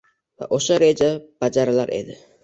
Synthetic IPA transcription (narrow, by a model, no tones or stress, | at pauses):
va̰ʔoʃaɾed͡ʒab̥ad͡ʒaɾala̰ɾʔe̞̰d̪ɪ